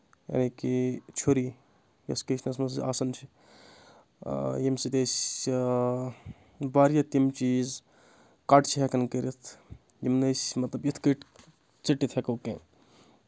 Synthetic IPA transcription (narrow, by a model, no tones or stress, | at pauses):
ja̰ːnikit͡ʃʰoɾi | jɐ̰skəsnɐsmɐs̬a̰ːsɐnt͡ʃʰi | jimsid̪es | baɾijɐt̪imt͡ʃiz | kaʈt͡ʃʰiɦɛkɐnkəɾit̪ʰ | jimnɐsʲmɐt̪lɐbit̪ʰkəʈ | t͡siʈːit̪ʰekɐwkẽ